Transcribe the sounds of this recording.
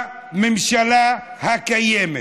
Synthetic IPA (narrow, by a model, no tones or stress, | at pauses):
mim̩ʃalahakajɛmɛ